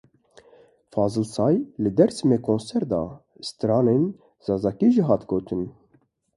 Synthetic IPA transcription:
fɑːzɨlsɑːjlɨd̪ɛɾsɨmeːkʰonsɛɾd̪ɑ̰ː | st̪ɾɑːneːn | z̥ɑːzɑːkiʒiɦɑːt̪ɡoːt̪ʰɨn

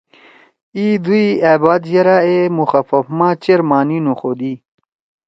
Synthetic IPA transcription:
id̪uiaːbaːd̪jɐɾaemuxɐfɐfmãːt͡ɕeɾmaːninuxoːd̪iː

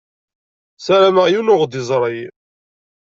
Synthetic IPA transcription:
sæɾæməʁjunʊʁd̪ɪzˤɾˤəj

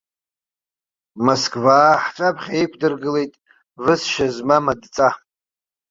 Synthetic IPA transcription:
moskʰʼvaːħt͡ʃʷʼapʰχʲaikʷʰdɨrɡɨle̞jtʼ | vɨsʃazmamadt͡sʼa

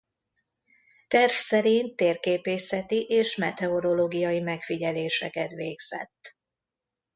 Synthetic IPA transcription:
t̪ɛrfsɛɾint̪ːeːrkeːpeːsɛt̪iʔeːʃmɛt̪ɛo̞ɾo̞loːɡijɒjimɛkfiɟɛleːʃɛkɛt̪ʋeːɡz̥ɛ̰t̪ː

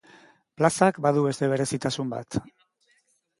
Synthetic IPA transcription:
plasakbaðuβe̞st̪e̞β̞e̞ɾe̞sit̪asumba̰t̪

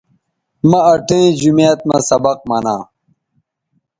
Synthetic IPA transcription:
mɐɐʈʰẽd͡ʑumejɐt̪̚mɐ̰sɐbɐq̚mɐnã̰ː

